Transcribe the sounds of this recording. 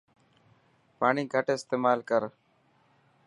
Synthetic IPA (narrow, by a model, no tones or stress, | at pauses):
paːɳiːɡʱəʈɪst̪eːmaːlkəɾ